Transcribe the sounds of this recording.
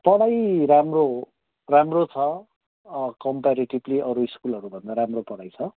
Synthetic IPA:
pʌɽajɾamro | ramrot͡sʰʌ | kʌmpaɾiʈibliʔʌɾuiskulɦʌɾubʱʌnd̪aɾamropʌɽajt͡sʰʌ

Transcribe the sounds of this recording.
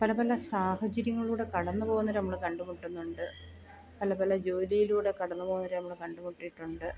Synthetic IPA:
pɐlɐpɐlːɐsaːhɐt͡ɕɐɾjɐŋːɐɭuːɽe̞kɐɽɐnːɨpo̞ːɣunːɐɾnɐmːɐɭkɐɳɖumuʈːunːuɳɖɨ | pɐlɐpɐlːɐd͡ʑo̞ːlijiluːɽe̞kɐɽɐnːɨpoːɣunːɐɾɨnɐmːɐɭkɐɳɖumuʈːijiʈːuɳɖɨ

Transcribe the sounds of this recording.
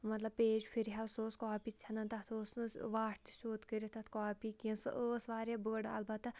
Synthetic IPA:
mɐt̪lɐbpeːd͡ʒfʰiɾiɦɐsoːskɔːpiːt͡sʰʲɐnɐnt̪ɐt̪ʰoːsnɨʋaːʈ̚ʰt̪i̥sʲoːt̪kəɾit̪ʰɐt̪ʰkaːpiːkĩnsɨ̰ʔoːsʋaːɾʲabəːɽɐ̰lbɐt̪ː

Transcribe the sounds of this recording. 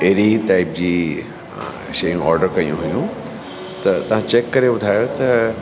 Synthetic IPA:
eɦɾiʈaːɪp̚d͡ʑiː | ʃɐjũɔ̰ːɾɖəɾkɐjṵ̃ɦʊjũ | t̪ɐt̪ɐʋ̤ãt͡ɕekːɐɾeʊd̪ʱaːjot̪ɐ

